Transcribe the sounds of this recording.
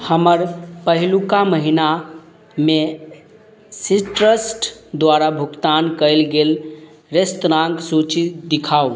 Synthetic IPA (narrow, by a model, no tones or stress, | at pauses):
həməɾpəɦlukaməɦina | me | siʈɾəsʈd̪waɾabʱukt̪ankəɪlɡel | ɾest̪ɾaŋɡsut͡ʃid̪ikʰau